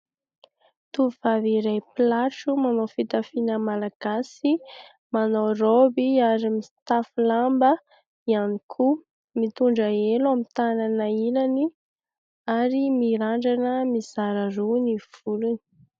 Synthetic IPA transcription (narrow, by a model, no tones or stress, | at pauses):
t̪uvaviɾajplaʈ͡ʂumanofit̪afinəmalaɡ̥asi | manowrobiaɾimist̪afulambə | ianikʰu | mit̪uɳɖ͡ʐəelamit̪ananəilani | aɾimiɾaɳɖ͡ʐanəmiz̥aɾəruniv̥uluni̥